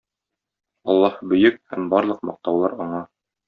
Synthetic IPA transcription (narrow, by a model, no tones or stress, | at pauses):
ɒlˠːɑhbɵ̆jɵk̚hæmbɒɾlˠɤq̚mɒq̚t̪ɑwlˠɑɾɒɴɑ